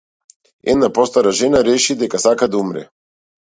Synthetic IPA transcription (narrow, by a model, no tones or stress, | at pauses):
ɛ̰d̪napɔst̪aɾaʒɛnaɾɛʃid̪ɛkasakad̪aumɾɛ̰